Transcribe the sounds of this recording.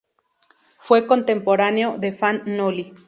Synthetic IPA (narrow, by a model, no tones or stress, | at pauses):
fwekont̪empoɾaneoðefanːoli